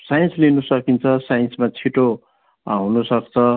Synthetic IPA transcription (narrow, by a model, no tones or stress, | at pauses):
sajnslinusʌkint͡sʰʌsajʌnsmat͡sʰiʈo | ɦunusʌkt͡sʰʌ